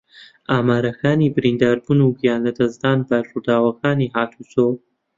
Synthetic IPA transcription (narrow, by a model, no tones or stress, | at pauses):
aːmaːɾɐkʰaːnibɨɾind̪aːɾbunuɡijaːnlɐd̪ɐzd̪aːnbɐrud̪aːwɐkaːniɦaːt̪ʰuso